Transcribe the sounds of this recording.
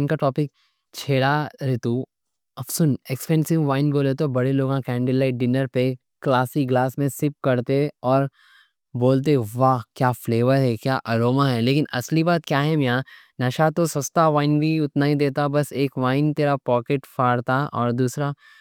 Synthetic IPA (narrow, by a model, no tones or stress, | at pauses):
nkaʈɔːpɪk̚ | t͡ʃʰeːɽaɾet̪u | ɐbsʊnekspɛ̃ːnsɪʋʋaːɪnɡoːlet̪̬obɐɽeloːɡãkɛ̃ːɳɖɪlaːɪʈ̚ɖɪnəɾpe | klaːsiɡlaːsmẽsɪp̚kɐɾt̪eɔːɾ | boːlt̪̬eʋaːkjaːfleːʋəɾɦɛkjaːʔɐɾoːmaɦɛleːkɪnɐ̰slibaːt̪kjaːɦɛmjãː | nɐʃat̪osɐst̪aʋaːɪnbʱiʊt̪naɦĩd̪eːt̪abɐseːkʋaːɪnt̪eːɾapɔːkeʈfaːɽt̪aʔɔːɾd̪uːsɾa